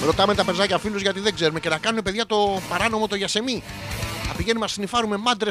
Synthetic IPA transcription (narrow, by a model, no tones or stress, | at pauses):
ɾo̞t̪ɐme̞t̪ɐpe̞zɐcɐfiluzʝɐt̪iðeɡze̞ɾumece̞nɐkɐnune̞pe̞ðʝɐt̪o̞pɐɾɐno̞mo̞t̪o̞ʝɐse̞mi | ɐpiʝenimɐsinifɐɾume̞mɐd̪ɾe